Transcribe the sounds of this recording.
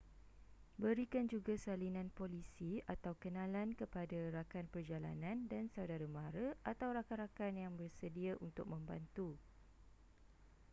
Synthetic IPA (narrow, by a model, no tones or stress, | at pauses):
bəɾikand͡ʒuɡasalinãnpolisiat̪awkənãlankəpadaɾakanpərd͡ʒala̰nãndansawdaɾamaɾəʔat̪awɾakanɾakanjaŋbərsədiaʔunt̪ʊk̚mə̃mba̰nt̪u